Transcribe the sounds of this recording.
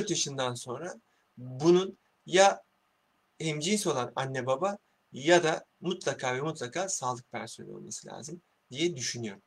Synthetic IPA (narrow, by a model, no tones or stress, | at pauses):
ɾt̪jaʃɯnd̪anso̞nɾa | bunun | ja | emd͡ʒiːso̞lˠana̰nːebaba | jad̪amut̪lˠakʰaːvɛmut̪ʰlˠakʰaːsaːlˠɯk̚pʰæɾsonɛ̰lʲo̰lˠma̰sɯlʲa̰ːzim | d̪̥ijɛd̪yʃynyjo̞ɾum